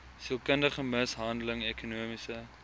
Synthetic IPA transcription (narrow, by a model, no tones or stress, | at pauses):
siəlˠkəndəχəməsɦɐndələŋɛkunuəmisə